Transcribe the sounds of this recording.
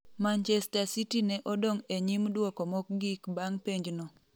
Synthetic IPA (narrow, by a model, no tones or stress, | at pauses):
mant͡ʃɛstasitinɛʔɔdoŋeɲimdwɔkɔmɔk̚ɡikbaŋpeɲd͡ʒno